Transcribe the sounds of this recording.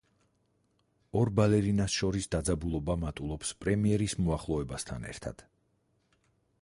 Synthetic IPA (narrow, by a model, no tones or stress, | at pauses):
ɔɾbalɛɾinasʃɔɾisd̪ad̪zabulˠɔbamat̪ʼulˠɔpspʼɾɛmiɛɾismɔaχlˠɔɛbast̪ʰa̰nɛ̰ɾt̪ʰa̰d̪̥